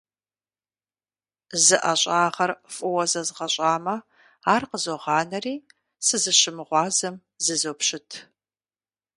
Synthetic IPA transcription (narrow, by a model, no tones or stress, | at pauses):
zɨʔɐɕʼaːʁɐrfʼʊwɐzɐzʁɐɕʼaːmɐ | aːrqəzoʁɑːnɐriː | sɨzɨɕɪmɨʁʷɑːzɐm | zɨzopɕɪtʰ